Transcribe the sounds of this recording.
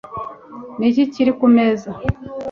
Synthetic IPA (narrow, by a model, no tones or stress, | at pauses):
niciciɾikumeza